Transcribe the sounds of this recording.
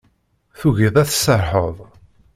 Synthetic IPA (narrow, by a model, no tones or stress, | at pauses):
θuʝəðˤæθsəɾˤħəðˤ